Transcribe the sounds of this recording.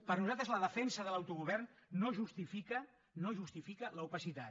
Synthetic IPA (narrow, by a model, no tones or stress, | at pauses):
pəɾnuzat̪ɾəzləðəfɛnsəðəlawt̪uɣuβɛrnːoʒust̪ifikə | noʒust̪ifikələupəsit̪a